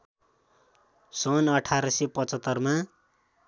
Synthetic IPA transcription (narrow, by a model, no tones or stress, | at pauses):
sʌnʌʈʰaɾʌsepʌt͡sʌt̪ːʌrma